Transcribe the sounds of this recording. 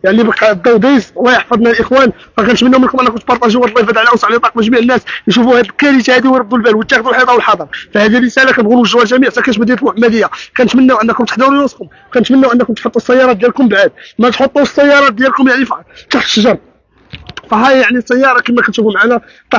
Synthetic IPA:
jaʕnibkd̪ˤːɑwd̪ˤiswæjəħfɑd̪ˤnælʔəxwæn | fækænət̪mənːæwmənkʊmʔænːækʊmt̪pɑɾˤt̪ˤɑʒəwːæɾlːˤɑjfæd̪ʕlæʔsʕlt̪ˤɑq̚mæʒmiʕənːæsjʃufuhæd̪əlkæɾit̪hæd̪iwɾəb̚d̪ulbælwət̪ːæxd̪ulħɑt̪ˤɑwəlħɑd̪ˤɑɾˤfæhæd̪irːəsælækænbɣunuəlʒwːælʒæmiʕfækænt̪mæd̪inət̪lmʊħmːæd̪əjːakænət̪mənːæwʔənːəkʊmt̪ə̥ħd̪æwɾujuskʊm | kænət̪mənːæwʔənːækʊmt̪ħot̪ˤːusːæjːɑɾˤɑt̪̚d̪jælkʊmbʕad̪̚mæt̪ħot̪ˤːuəsːæjːɑɾˤɑt̪̚d̪jælkʊmjaʕnift̪ɑħt̪ʃʒɑɾˤ | fæɦæjjaʕnisːæjːɑɾˤɑkəmækænt̪ʃufumʕanæ | t̪ɑ

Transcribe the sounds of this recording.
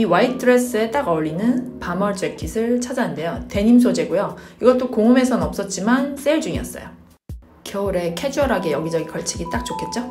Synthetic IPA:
iwaitʰɯɾes͈ɯe̞t͈aɡʌʎːinɯnpamʌɾd͡ʑekʰisʰɯɭt͡ɕʰad͡ʑanɯnde̞jote̞ɲims̬ʰod͡ʑeɡojoiɡʌt̚t͈okoŋɯme̞sʰʌnʌp̚s͈ʌt̚t͡ɕ͈imans͈eɭd͡ʑuŋiʌ̰s͈ʌ̰jo | kjʌuɾe̞kʰe̞d͡ʑʌɾɦaɡe̞jʌɡid͡ʑʌɡikʌɭt͡ɕʰiɡit͈ak̚t͡ɕ͈okʰe̞t̚t͡ɕ͈o

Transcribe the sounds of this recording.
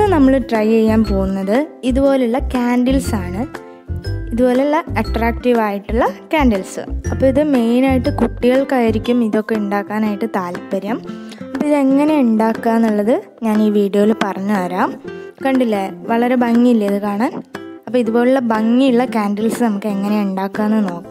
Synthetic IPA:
nɐmːɐɭɨʈrɐje̞jːaːnpo̞ːɣunːɐðɨiðubo̞ːleuɭːɐkaːnɖilsaːɳɨ | iðubo̞ːleuɭːɐɐʈraːkʈiʋaːjiʈːuɭːɐkaːnɖilsɨ̰ɐpːoːiðɨme̞jnaːjiʈːɨkuʈːiɣɐɭkaːjiɾikʲːumiðo̞kːe̞uɳɖaːkːaːnaːjiʈːɨt̪aːlipːɐɾjaːm | ɐpːoiðɨe̞ŋːɐne̞uɳɖaːkːaːnːuɭːɐðɨ | ɲaːniːʋiːɖijo̞ːilpɐrɐɲːuʋɐɾaːmkɐɳɖilːeʋɐɭɐɾe̞bɐŋːiilːɐiðɨkaːɳaːnɐpːoːiðubo̞ːleuɭːɐbɐŋːiuɭːɐkaːnɖilsɨnɐmukːɨe̞ŋːɐne̞uɳɖaːkːaːnːɨno̞ːkːu

